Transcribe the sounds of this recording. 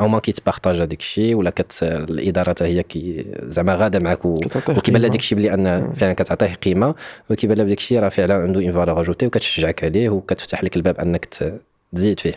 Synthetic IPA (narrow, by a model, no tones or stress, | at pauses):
ʔæwmækit̪bɑxt̪æʒhæd̪ikʃiwəlːækæt̪lʔəd̪ɑɾˤɑt̪həjːækizəʕmæɣæd̪amʕakwwkibælːæd̪ikʃibəlːiʔænːfəʕlənkæt̪ʕt̪ˤihqimawkibælːæbd̪ikʃiɾˤɑfəʕlənʕənd̪uʔənvɑɾˤɑɣɑʒut̪iwkæt̪ʃəʒːʕəkʕlihwkæt̪ə̥ft̪aħləkəlbæbʔə̰nːəkt̪ | t̪zid̪fih